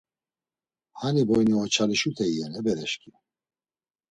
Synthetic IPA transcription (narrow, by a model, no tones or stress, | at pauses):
hanibɔjniɔt͡ʃʰaliʃut̪ʰɛijɛnɛbɛɾɛʃkʰi